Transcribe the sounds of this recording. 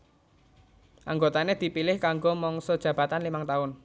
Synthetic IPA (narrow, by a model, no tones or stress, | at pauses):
ʔaŋɡot̪aned̪̥i̤pilɪhkaŋɡomɔŋsɔd̥ʒ̥ä̤b̥a̤t̪anlimaŋt̪aʊn